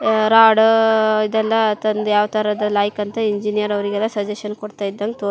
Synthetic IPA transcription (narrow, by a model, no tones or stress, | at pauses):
ɾaːɽid̪ɛlːɐt̪ɐnd̪jaːʋt̪ɐɾɐd̪ɐlaːjkɐnt̪ɐiɲd͡ʒinijɐɾɐʋɐɾiɡɛlːɐsɐd͡ʒeʂɐnkoɽt̪aːjid̪ːɐŋɡt̪oː